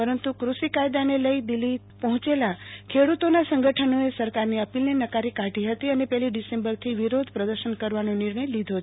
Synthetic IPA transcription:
pəɾənt̪ukɾuʃikajd̪aneləid̪ilːi | pəɦʊ̃t͡ʃelakʰeɽut̪onasə̃ŋɡəʈʰənoesəɾkaɾniəpilnenəkaɾikaʈiɦət̪iənepɛɦliɖisembəɾt̪ʰiʋiɾod̪ʱpɾəd̪əɾʃənkəɾʋanonɪɾɳəjlid̪ʱo

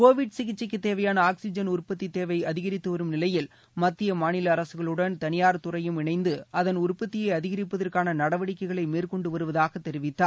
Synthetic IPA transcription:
koːʋɪɖsɪɣɪt͡ʃːɪkːɯt̪ːeːʋɐjaːnɐaːksɪd͡ʒɐnʊrpːɐt̪ːit̪eːʋɐɪɐðɪɣɐɾɪt̪ːɯʋɐɾɯmnɪlɐjɪl | mɐt̪ːɪjɐmaːnɪlɐːɾɐsɯɣɐɭɯɽɐnt̪ɐnɪjaːɾt̪ʊrɐjɯmɪɳɐɪnd̪ɯɐðɐnʊrpːɐt̪ːɪjɐɪɐðɪɣɐɾɪpːɐðɐrkaːnɐnɐɽɐʋɐɽɪkːɐɪɣɐɭɐɪmeːrkɔɳɖɯʋɐɾɯʋɐðaːɣɐt̪ːɛɾɪʋɪt̪ːaːɾ

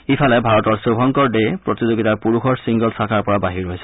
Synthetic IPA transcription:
ipʰalɛbʱaɹɔtɔɹsobʱɔŋkɔɹdepɹɔt̪izoɡitaɹpuɹuxɔɹsiŋɡɔlsakʰaɹpɔɹabaɦiɹojsɛ

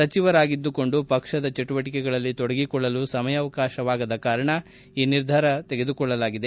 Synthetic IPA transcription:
sɐt͡ʃiʋɐɾaːɡid̪ːuko̞ɳɖupɐkʂɐd̪ɐt͡ʃeʈuʋɐʈikɛɡɐɭɐlːit̪ɔɽɐɡikɔɭːɐlusɐmɐjɐːʋɐkaːʃɐʋaːɡɐd̪ɐkaːɾɐɳɐ | iːniɾd̪ʱaɾɐt̪eɡe̞d̪ukɔɭːɐlaːɡid̪e̞

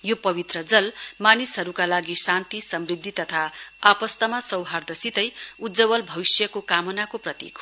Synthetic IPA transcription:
jopʌβit̪rʌd͡zʌlmanisɦʌɾukalaɡisant̪isʌmrid̪ʱːit̪ʌt̪ʰaapʌst̪ʌmasʌwɦard̪ʌsit̪ʌjud̪d͡zʌbʌlbʱʌwisjʌkokamʌnakoprʌt̪ḭk

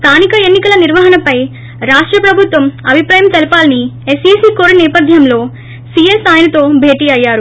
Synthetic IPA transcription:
st̪ʰaːnikɐenːikɐlɐniɾʋɐɦɐnɐpɐj | ɾaːʂʈɾɐpɾɐbʱut̪ʋɐmɐbʱipɾaːjɐmt̪ɐlipaːlɐniesiːsiːkoːɾunɛːpɐd̪ʱjɐmlo̞ː | siesaːjnɐt̪o̞ːbʱe̞ːʈiːɐjːaːɾu

